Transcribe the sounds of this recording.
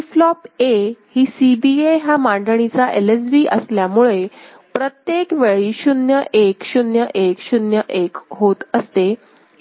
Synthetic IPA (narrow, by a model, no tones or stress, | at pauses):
flɔpehiːsibieɦamaɳɖəɳ̃it͡saʔeles̬biːʔəsljamuɭe | pɾət̪jekʋeɭiːɕunjəʔekɕunjəʔekɕunjəʔekɦot̪əst̪e